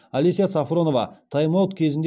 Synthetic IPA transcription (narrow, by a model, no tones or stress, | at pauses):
ɐlʲesijasɑfɾo̞no̞vɑ̰t̪ʰɑjmɑwt̪kʲʰe̞zɪnd̪